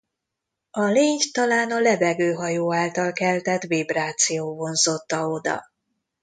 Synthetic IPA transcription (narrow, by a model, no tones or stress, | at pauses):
ɒleːɲt̪ɒlaːnɒlɛbɛɡøːɦɒjoːaːlt̪ɒlkɛlt̪ɛt̪vibraːt̪sijoːvo̞nzo̞t̪ːɒo̞d̪ɒ̰